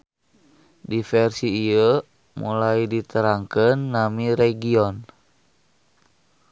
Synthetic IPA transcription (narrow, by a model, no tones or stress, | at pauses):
difɛrsiːə | mṵlajdit̪əɾaŋkənːamiɾɛɡiɔn